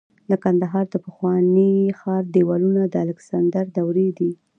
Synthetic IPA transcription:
lakand̪aɦɑɾd̪əpəxwɑnixɑɾd̪ewɑlunad̪əalɪksand̪aɾd̪awɾed̪i

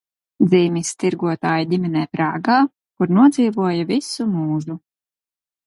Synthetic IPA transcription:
d̪ziːmist̪iɾɡuɔt̪aːjad̪ʲimʲɛnɛːpɾaːɡaː | kuɾnuɔd̪ziːvuɔjavisumuːʒu

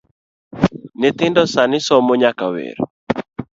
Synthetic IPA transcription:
net̪ɪndɔsanɪsɔmoɲakawḛɾo̰

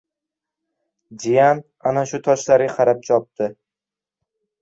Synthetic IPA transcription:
d͡ʒijan | anaʃʊt̪ʰɒʃlaɾʲaqʰɑɾap̚t͡ʃɒp̚t̪ʰɪ

